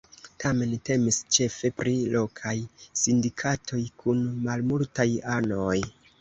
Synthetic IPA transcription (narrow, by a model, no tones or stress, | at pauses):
tʰame̞nte̞mist͡ʃe̞fe̞pɾilo̞kʰajsindikʰatʰo̞jkʰunmalmultajano̞j